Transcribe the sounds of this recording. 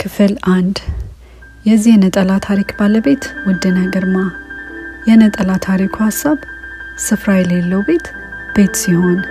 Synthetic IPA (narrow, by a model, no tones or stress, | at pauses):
kʰɨfɨlʔand̪ | jɛzːihɛnət̪ʼəlat̪ʰaɾikbaləbe̞t̪wɔd̪ːənəɡəɾma | jɛnət̪ʼəlat̪ʰaɾikʰuhasːaβ | sɨfɾajɛlelːəwbe̞t̪ | b̥e̞t̪siho̞n